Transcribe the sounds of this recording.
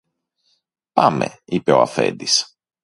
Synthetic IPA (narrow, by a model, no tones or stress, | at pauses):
pɐmeipe̞o̞ɐfe̞̰nd̪is